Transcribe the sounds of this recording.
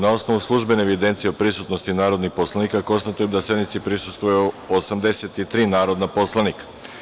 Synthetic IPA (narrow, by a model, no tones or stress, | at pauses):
nao̞sno̞ʋuslˠuʒbeneːʋid̪e̞nt̪sijeopɾisut̪no̞st̪inaːɾo̞d̪nixpo̞slanikako̞nst̪at̪ujemd̪asje̞d̪mit̪sipɾisust̪ʋuju | osamd̪e̞set̪it̪ɾiːnaːɾo̞d̪napo̞slˠanikḁ